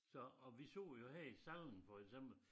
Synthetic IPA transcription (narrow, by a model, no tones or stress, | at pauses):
sɒ̽ɒʋiso̰ːjo̝ɦæɐ̰isæl̰n̩fɒ̽eɡ̥sem̰b̥l̩